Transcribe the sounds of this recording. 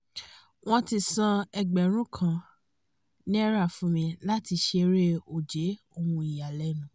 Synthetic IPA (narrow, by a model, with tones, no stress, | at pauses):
w̃ɔ̃˦˧ti˧sã˧ɛ˧ɡ͡bɛ˨ɾ̃ũ˦kʰã˧˨ | nĩ˦ɛ˦ɾa˦˨fũ˨˦mĩ˧la˦ti˧ʃe˧ɾe˦o˨d͡ʒe˨˦ | o˧wũ˧i˨ja˨lɛ˨˦nũ˨˦